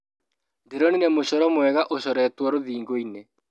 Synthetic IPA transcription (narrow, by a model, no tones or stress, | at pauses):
ndeɾɔninemoɕɔɾɔmwɛɣaʔoɕɔɾɛːtwɔɾoðiːŋɡoine